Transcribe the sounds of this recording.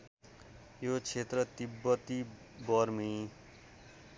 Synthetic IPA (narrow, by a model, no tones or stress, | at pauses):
jot͡sʰet̪rʌt̪ibːʌt̪i | bʌrmi